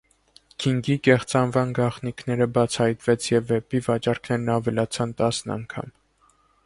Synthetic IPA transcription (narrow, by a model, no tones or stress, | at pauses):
kʰiŋɡikɛχt͡sɑnvɑnɡɑχnikʰnɛɾəbɑt͡sʰɑhɑjt̪vɛt͡sʰjɛvːɛpivɑt͡ʃɑɾkʰnɛɾnɑvɛlɑt͡sʰɑnt̪ɑsnɑ̰ŋkʰɑ̰m